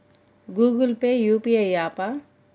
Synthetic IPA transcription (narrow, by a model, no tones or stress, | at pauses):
ɡuːɡəlpejuːpiejjaːpa